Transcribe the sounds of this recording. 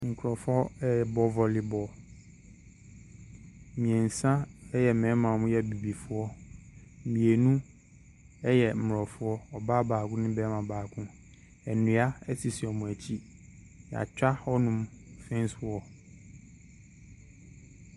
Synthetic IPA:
ŋ̩˨kʰɾɔ˨fɔ˦ɛ˦jɛ˨bɔ˦vɔ˨lɪ˨bɔ˨ | mĩ˨ɛ˨n̩˨sã˦ɛ˦jɛ˨mɛ̃˨˦mã˨mʊ̃˦jɛ˦˨bi˨bi˨fʊ˦ɔ˦˨ | mĩ˨e˨nũ˦ | ɛ˦jɛ˨m̩˨m˨ɾɔ˨fʊ˦ɔ˦ɔ˨ba˦baː˨kʊ̃˦nɪ̃˦bɛ˦mã˨baː˨kʊ̃˦ | ɛ˨nũ˨˦a˦ɛ˦si˨si˨ɔ˨mʊ̃˨æ˨t͡ɕʰi˦˨ | a̰˨t͡ɕᶣa˦ɔ˦nʊ̃˦mfɛ̃˦n˦sʊ˦ɔ˦

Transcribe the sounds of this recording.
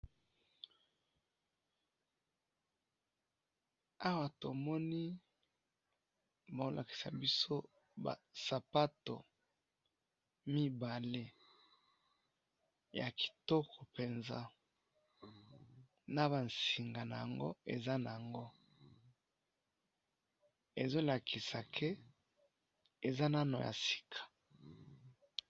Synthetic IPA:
a˦wa˨to˨mɔ˦ni˦ | bo˦lʔa̰˨ki̥˨sa̰˨bi˦so˦ | ba̰˨sa˨pa˦to˨ | mi˦ba˨le˦ | ja˨kʰi̥˨tɔ˦kʰɔ˨pe˨nza̰˦ | na˨ba˨nsi˨ŋɡa˨na˨ja˨ŋɡo̰˦ḛ˨za˦na˨ja˨ŋɡo˦ | e˨zo˦la˨kʰi˨sa˨kʰe˦ | e˨za˦na˦no˨ja̰˨si̥˦˨kʰḁ˨

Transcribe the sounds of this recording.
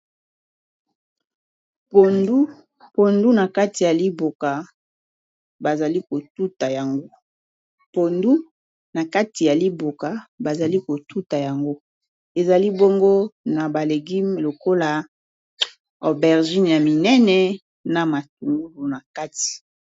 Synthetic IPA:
po˨ndu˦ | po˨ndu˦na˨ka˦ti˨ja˨li˦bo˨ka˨ | ba˨za˨li˦ko˨tu˦ta˨ja˨ŋɡo˦ | po˨ndu˦ | na˨ka˦ti˨ja˨li˦bo˨ka˨ba˨za˨li˦ko˨tu˦ta˨ja˨ŋɡo˦ | e˨za˨li˦bo˦ŋɡo˦na˨ba˨le˨ɡi˦lo˨ko˦la˨ | ɔ˨bɛ˨ʁʒi˦n˨ja˨mi˨nɛ˦nɛ˨ | na˨ma˨t̚u˨ŋɡu˦lu˨na˨ka˦ti̥˨

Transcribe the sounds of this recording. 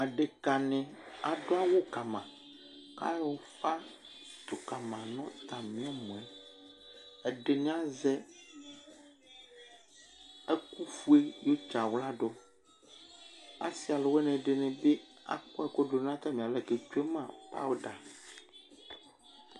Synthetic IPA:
a˨ɖe˨ka˨nɛ̃˨a˨ɖo˦a˦wo˦ka˨mã˨ | ka̰˦jwo˨fa˦ | t̪o˨ka˨mã˨nɔ̃˦t̪ã˨mĩ˦ɔ˦mɔ̃˨ɛ˦ | ɛ˨ɖe˨ñ˦ã˦zɛ˦ | e˦ku˦fu˦e˦jo˦t͡ʃa˨wla˦ɖo˦ | a̰˦si˨˦a˨le˨we˦nɛ̃˨ɖe˨nɛ̃˨be˦ | a̰˨kɔ˦ɛ˨ko˦ɖo˨n˦ã˦t̪a˦mĩ˨a˨lɛ˨ke˨t͡ʃo˦e˦mã˨pa̰˦wo˦ɖa˨

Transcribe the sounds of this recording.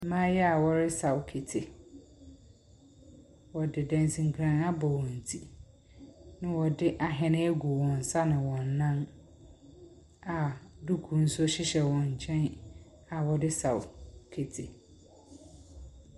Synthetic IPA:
mã˦jɛ˦a˨wɔ˦ɾɪ˦sa˨wkʰe˨tʰɪ˨ | wɔ˨dɪ˨dɛ̃˨n˨sĩ˨ŋ̩˨kʰɾã˨na˦bɔ˨wɔ̃˨n̩˨tʰi˦ | nɪ̃˦wɔ˨dɪ˦ʔa˨ɦɛ˨nɪ̃˦æ˦ɡu˨wɔ̃˨n̩˨sa˦nɪ̃˨wɔ̃˨nː˨ã˦n | a˨du˦kʰu˨n̩˦sʊ˦ɕɪ˦ɕɛ˨wɔ̃˨ɲ˨t͡ɕʰɛ̃˦n | a˨wɔ˨dɪ˦sa˨wkʰe˨tʰɪ˨

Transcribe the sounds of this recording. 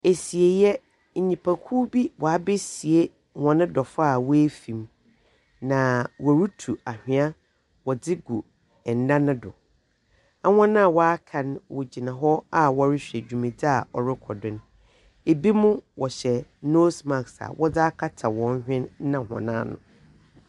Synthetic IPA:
e˨si˨e˨jɛ˦ | ɲ̩˨ɲĩ˨pʰa˨kʰuː˦bi˦wɔ˨a˦be˦si˨e˦ | hɔ̃˨nɪ̃˦dɔ˨fa˦˨wɔ˦e˦fĩ˨m | nã˨wɔ˨ɾu˦tʰu˨a˨hᶣɪ̃˨˦a˦ | wɔ˨dɪ˦ɡu˨ | ɛ˨n̩˨˦dã˦nɪ̃˦dʊ̰˨ | a˦hɔ̃˦nã˦˨wɔ˦a˦kʰã˨nwɔ˨d͡ʑi˨nã˨ɦɔ˦a˦wɔ˦ɾɪ˦ɕᶣɛ˨d͡ʑᶣu˨mĩ˨d͡zɪ˦a˨ɔ˨ɾɪ˦kʰɔ˨dɪ̃˦n | e˨bi˦mʊ̃˦wɔ˨ɕɛ˨noː˦sma˨ksa̰˨wʔɔ˦d͡zɪ˦a˦kʰa˦tʰa˨wɔ̃˨n˦hᶣɪ̃˦n˦nã˨hɔ̰̃˨nã̰ː˦nʊ̰̃˨

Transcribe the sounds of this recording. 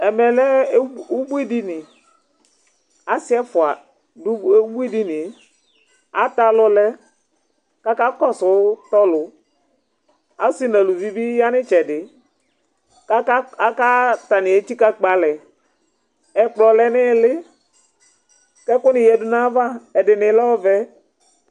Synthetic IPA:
ɛ˨mɛ˨lɛ˦u˦bu˦i˦di˦nɪ˨ | a˦sɪ˦ɛ˦fʊ˨a˨ | dʊ˦bu˦i˦di˦nɪ˨˦ | a˨˦ta˨lɔ˦lɛ˦ | ka˦ka˦kɔ˦sʊ˨˦tɔ˦lʊ˨˦ | a˦si˦nã˨lu˨vi˦bi˦ja˦nɪ˦t͡ʃɛ˨dɪ˨˦ | a˦ka˦ta˨nɪ˨e˦t͡ʃi˦ka˦k͡pa˨lɛ˨ | ɛ˨k͡plɔ˨lɛ˦nɪ˦˨lɪ˦ | kɛ˦kʊ˦nɪ˨jɛ˨dʊ˦nã˦va˦ɛ˨dɪ˨nɪ˨˦lɛ˦ɔ˦vɛ˦

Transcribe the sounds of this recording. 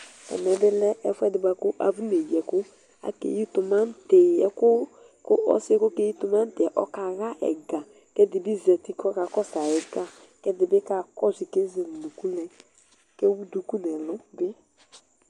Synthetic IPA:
ɛ̰˨mɛ˨bɪ˦lɛ˦ʔɛ˦fɛ˦dɪ˨ba˨kʊ˦ʔa̰˨vu˦ne˨jɛ˨kʊ˦ | a̰˨kḛ˨ji˦tʊ˨ma˦n˦te˨ɛ˨kʊ˦ | kʊ˦ʔɔ̰˨˦skʊ˦ke˦ji˦tʊ˨ma˦n˦tɪ˨ɛ˨ʔɔ˦ka˨ɣa˦ʔɛ̰˨ɡa˨ | kɛ˦dɪ˨bi˦zɛ˨ti˦kɔ˦ka˨kɔ˦sa˨ɛ˨ɡa˦ | kɛ˦dɪ˨bɪ˦ka˦kɔ˦zi˨ke˦ze˨llu˨ku˦lɛ˨ | ke˦wu˦du˨ku˦nɛ˨lʊ˦bɪ˦

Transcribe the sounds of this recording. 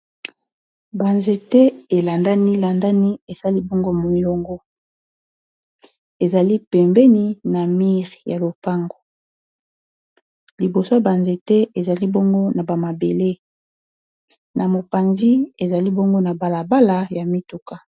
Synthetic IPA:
ba˨nze˨tɛ˦e˨la˨nda˦ni˦la˨nda˦ni˦e˨sa˦li˦bo˦ŋɡo˦mo˨i˨lo˨ŋɡo˦ | e˨za˨li˦pɛ˨mbɛ˦ni˦na˨mi˦ʁja˨lo˨pa˦ŋɡo˨ | li˨bo˨so˦a˨ba˨nze˨tɛ˦ʔe˨za˨li˦bo˦ŋɡo˦na˨ba˨ma˨be˨le˦ | na˨mo˨pa˨nzi˦e˨za˨li˦bo˦ŋɡo˦na˨ba˨la˨ba˦la˨ja˨mi˦tu˨ka˦

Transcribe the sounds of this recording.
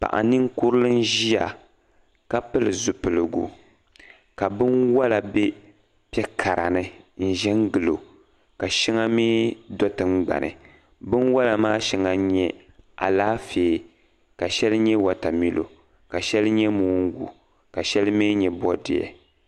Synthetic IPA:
pa̰˨ʔa̰˨nɨ˦ŋ˦kʊ˦ɾɨ˦lɨ˦n˦ʒi˦ja̰˨ | ka˦pɨ˦lɨ˨zu˨pɨ˨lɨ˨ɡṵ˦ | ka˨bɨ˦nwa˦la˨bɛ˦ | pɛ˦kʰa˨ɾa̰˨nɨ˨n̩˦˨ʒɛ˦ŋɡɨ˨lo˨ | ka˨ʃi˦ŋa˦meː˦dɔ˦tɨ˨ŋ͡mɡ͡ba̰˨nʔɨ̰˨ | bɨ˦nwa˦la˨maː˦ʃi˦ŋa˦ɲɛ˦ | a̰˨laː˦feː˨ | ka˨ʃɛ˦lɨ˦ɲɛ˦wa˨ta˨mi˦lo̰˨ | ka˨ʃɛ˦lɨ˦ɲɛ˦muː˦ŋ˦ɡṵ˨ | ka˨ʃɛ˦lɨ˦meː˦ɲɛ˨bɔ˦dɪ̰˨ɛ̰˨

